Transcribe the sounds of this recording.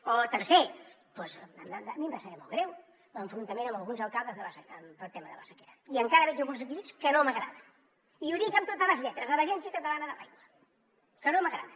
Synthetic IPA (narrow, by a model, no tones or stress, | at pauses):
ɔt̪əɾse | pɔzamamimbasəeɾmo̰lˠɣɾɛw | məɱfɾunt̪əmẽnəmbəlˠɣunzəlˠkalˠd̪əzðəβasəəmpət̪ːemə̰ðə̰asəkeɾəiəŋkaɾəβɛd͡ʒəlˠɣunzək̚t̪iβiskənoməɣɾa̰ðə | iuðikəmt̪ot̪amazʎɛt̪ɾəzðəβəʒɛnsiəkət̪əlanəðəpajulə | kənoməɣɾa̰ðə